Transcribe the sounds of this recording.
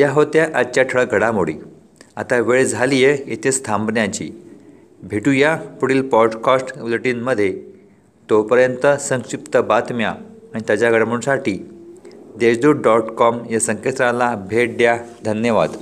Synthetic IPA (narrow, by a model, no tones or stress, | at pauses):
jaɦot̪jaʔat͡ɕaʈʰəɭəɡʱəɽamoɽḭː | at̪aʋeɭd͡zʱalijeet̪ʰest̪ʰãmbnjãt͡ɕḭː | bʱeʈujapuɽiːlpɔɾɖkasʈʋluʈiːnməd̪ʱːje | t̪opəɾjənt̪əsə̃ŋɕipt̪əbat̪mjaːɽ̃it̪jat͡ɕaɡʱəɽməũsaʈiː | d̪ed͡ʑd̪uːɽɖɔʈkɔmjasəŋkest̪ɾalabʱeʈ̚ɖjad̪ʱənjəʋa̰d̪